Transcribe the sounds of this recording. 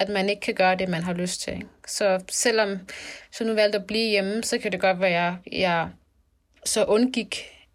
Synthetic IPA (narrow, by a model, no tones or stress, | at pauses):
æd̥mæne̝ɡ̥əkʰæɡ̥ɶːɐd̥e̝mænɦɑ̈løsd̥t͡sʰe̝sɒ̽sel̰ɒ̽msɒnuʋæl̰d̥ɒb̥liːjeməsɒ̽kʰæd̥e̝ɡ̥ɒ̽d̥ʋæɐjɑɐjæ | sɒ̽ʔɔ̽nɡ̥iɡ̥